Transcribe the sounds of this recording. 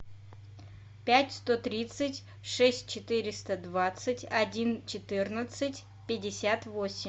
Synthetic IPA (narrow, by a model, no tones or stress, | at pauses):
pʲætʲst̪ot̪ɾʲit̪sɨtʲ | ʂɛsʲt̚ʲt͡ɕɪt̪ɨɾʲɪst̪əd̪vat̪sɨtʲɐdʲint͡ɕɪt̪ɨrnət̪sɨtʲ | pʲɪdʲɪsʲat̪vosʲɪm